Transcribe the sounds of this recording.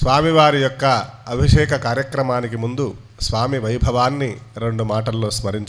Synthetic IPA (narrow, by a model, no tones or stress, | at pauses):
sʋaːmiʋaːɾijɔkːɐɐbʱiʂɛːkɐkaːɾjɐkɾɐmaːnik̬imund̪u | sʋaːmiʋɐjbʱɐʋaːnːiɾe̞ɳɖumaːʈɐlːo̞ːsmɐɾiɲt͡ʃ